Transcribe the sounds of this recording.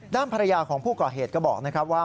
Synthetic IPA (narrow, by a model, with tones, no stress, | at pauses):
daː˥˩npʰa˧ɾa˧jaː˧kʰɔː˩˦ŋpʰuː˥˩kɔː˨˩ɦeː˨˩t̪̚kɔː˥˩bɔ̰ː˨˩k̚na˥kʰɾa˦˥p̚waː˥˩